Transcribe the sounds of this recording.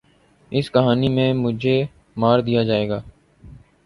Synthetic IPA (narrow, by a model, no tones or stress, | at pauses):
ɪskəɦaːniːmẽːmʊd͡ʒʱeː | maːɾd̪ijaːd͡ʒaːeːɡaː